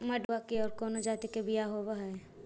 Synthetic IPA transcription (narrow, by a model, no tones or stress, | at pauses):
mɐɖakeɔːɾkɔːnod͡ʒaːt̪ikebɪjaɦobaɦaɛ